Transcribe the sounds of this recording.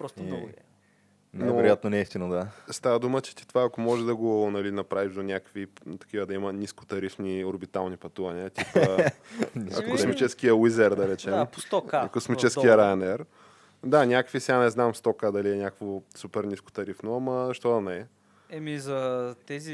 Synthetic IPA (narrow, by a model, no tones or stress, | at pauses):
pɾɔst̪o | nnɛoɾjat̪̚nonɛifst̪inod̪ast̪avəd̪umət͡ʃɛ̥t̪i̥t̪ovaɐkomɔʒɛd̪ɐɡonɐlinɐpɾaviʒd̪onʲakəkvit̪ɐ̥kivəd̪ɐimənʲisko̥t̪ɐɾifnioɾbit̪alˠnipɐt̪uvɐniət̪iə | kosmit͡ʃɛskijəwizɛɾd̪ɐɾɛt͡ʃɛmo̥st̪ɔkkosmit͡ʃɛsijəɾaɛnɛɾ | d̪anʲakəkvisɛɡanɛznamst̪ɔkəd̪ɐliɛnʲakə̥kvosupɛɾnʲisko̥t̪ɐɾifnoɐmɐzʃt̪ɔd̪ɐnɛ | ɛmizɐt̪ɛzi